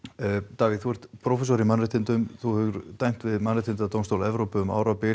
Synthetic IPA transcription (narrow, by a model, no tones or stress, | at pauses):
t̪aːviθuɛɾ̥t̪pʰɾɔfɛs̬ɔɾimanrɪht̪ʰɪnt̪ʏmθuhɛʏɾ̥t̪ajŋ̥t̪vɪðmanɾɛt̪ʰɪnt̪at̪ownst̪owlɛvɾowpʏʏma̰ːwɾapɪ